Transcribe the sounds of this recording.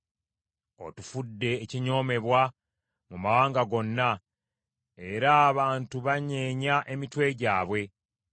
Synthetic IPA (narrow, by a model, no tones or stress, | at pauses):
o̞̰tufudːe̞ːciɲo̞ːme̞βwa | mumawaːŋɡaɡo̞nːa | eɾaːβaːntuβaɲeːɲaʔe̞mitwe̞ɟaːβwe̞